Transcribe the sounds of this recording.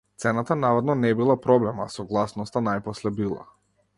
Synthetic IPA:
t̪sɛnat̪anavad̪nɔnɛbilˠapɾɔblɛmasɔɡlˠasnɔst̪anajpɔslɛbilˠa̰

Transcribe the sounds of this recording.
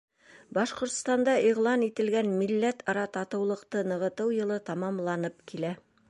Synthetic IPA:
bɑʃqŏɾt̪st̪ɑnd̪ɑʔiʁlˠɑnit̪ɘ̆lɡænmilːæt̪ʰɑɾɑt̪ɑt̪ɤ̆wlˠɤ̆qt̪ɤnɤ̆ʁɤ̆t̪ɤwjɤ̆lˠɤt̪ɑmɑmlˠɑnɤpkilæ

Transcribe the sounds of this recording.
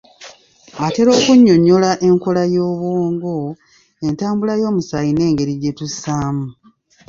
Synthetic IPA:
ate̞ɾo̞ːkuɲːo̞ɲːo̞laʔe̞ŋko̞lajo̞ːβwoːŋɡo̞ | e̞ntaːmbulajo̞ːmusajine̞ːŋɡe̞ɾiɟetusaːmu

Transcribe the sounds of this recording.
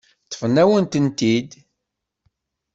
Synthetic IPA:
θə̥fnːæwənt̪ənt̪id̪

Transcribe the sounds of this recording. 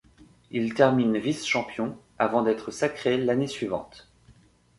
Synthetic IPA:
ilt̪ɛʁminvisʃɑ̃pjɔ̃ | avɑ̃d̪ɛt̪χəsakχelanesɥivɑ̰̃t̪

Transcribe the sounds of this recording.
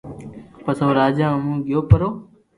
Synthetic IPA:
pəsoːɾaːd͡ʒãːmũːɠɪjoːpəɾoː

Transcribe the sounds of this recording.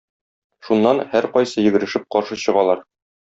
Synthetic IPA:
ʃunːɑnhæɾqɒjsɤjɘ̆ɡɘ̆ɾɘ̆ʃɘp̚qɒɾʃɤɕɤ̆ʁɑlˠɑɾ

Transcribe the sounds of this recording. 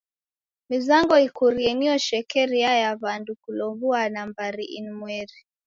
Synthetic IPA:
mizaŋɡɔikuɾiɛniɔʃɛkɛɾiajaβandukulɔmvuanambaɾiʔḭnmwɛɾi

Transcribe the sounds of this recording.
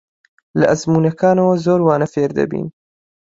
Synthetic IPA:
lɐʔɐzmuːnɐkʰaːnɐwɐzoːɾwaːnɐfeːɾd̪ɐ̰bḭːn

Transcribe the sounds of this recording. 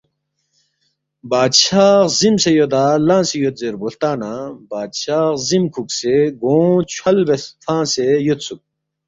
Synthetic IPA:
baːd̪ɕaːχzimsejod̪aːlãːsejot̪̚zeɾbolt̪aːnãbaːd̪ɕaːχzimkʰukseɡõːt͡ɕʰwɐlbesfʰãːsejot̪suk̚

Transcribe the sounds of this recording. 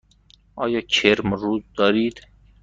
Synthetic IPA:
ɒːjɑːt͡ʃʰeɾmɾuːzd̪ɒːɾiːd̪

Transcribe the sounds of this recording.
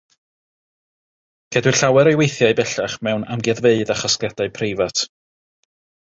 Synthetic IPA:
kʰɛdwɨɬawɛɾejwejθjaɨbɛɬaχmɛwna̰mɡjɛðveɨðaχaskladaɨpʰrejvatʰ

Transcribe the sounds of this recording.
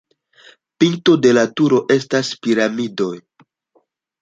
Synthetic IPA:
piŋto̞de̞latuɾo̞ʔe̞staspiɾamido̞j

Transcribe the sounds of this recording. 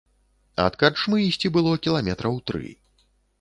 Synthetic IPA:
ɐ̰t̪kart͡ʂmɨisʲt͡sʲibɨlˠɔkʲilˠamʲɛt̪ɾʔɐwt̪ɾɨ̰

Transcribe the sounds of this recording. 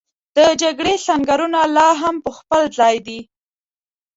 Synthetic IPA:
d̪̥əd͡ʒaɡɽesaŋɡaɾunalɑɦampəxpəlzɑjd̪i

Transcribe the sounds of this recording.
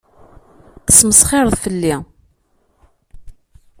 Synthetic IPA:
θə̥sməsˤχɪɾˤəðˤfəlːi

